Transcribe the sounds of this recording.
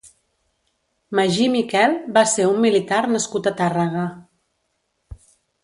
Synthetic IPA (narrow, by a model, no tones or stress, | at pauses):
maʒimikɛlˠbaseumːilit̪aɾnəskut̪ət̪arəɣə